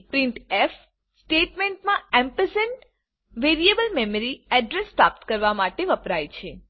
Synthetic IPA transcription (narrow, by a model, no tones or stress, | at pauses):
pɾiɳʈef | sʈeʈmẽɳʈmãɛmpəsən | ʋeɾijebəlmeməɾiɛɖɾespɾap̚t̪kəɾʋamaʈeʋəpɾajt͡ʃʰe